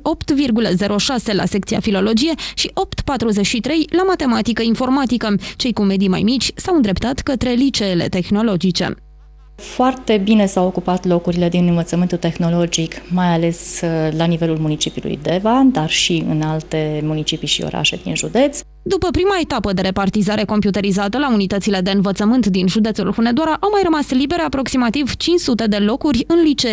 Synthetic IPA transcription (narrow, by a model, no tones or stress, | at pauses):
o̞pt̪virɡuləze̞ɾʔo̞ʃase̞la̰se̞k̚t̪sia̰filo̞lo̞d͡ʒije̞ʃiʔo̞pt̪pat̪ɾuze̞ʃit̪ɾe̞jlamat̪e̞mat̪ikəinfo̞rmat̪ikət͡ʃe̞jkume̞d̪ijma̰jmit͡ʃʲsawɨnd̪ɾe̞pt̪at̪kət̪ɾe̞lit͡ʃele̞̰t̪e̞xno̞lo̞d͡ʒit͡ʃe̞̰ | foart̪e̞bine̞sawokupat̪lo̞kuɾile̞d̪inɨnvət̪səmɨnt̪ult̪e̞xno̞lo̞d͡ʒikmajale̞slanive̞lulmunit͡ʃipiulṵjd̪e̞vad̪arʃiɨ̰nalt̪e̞munit͡ʃipiʃio̰ɾa̰ʃe̞d̪ḭnʒud̪e̞t̪s | d̪upəpɾimaet̪apəd̪e̞ɾe̞part̪izaɾe̞ko̞mpjut̪e̞ɾizat̪əlaunit̪ət̪sile̞d̪e̞ɨnvət̪səmɨnt̪d̪inʒud̪e̞t̪sulxune̞d̪oaɾaʔawmajrəmaslibe̞ɾeapɾo̞ksimat̪ivt͡ʃinʲt͡ʃsut̪e̞d̪e̞lo̞kurʲɨnlit͡ʃe̞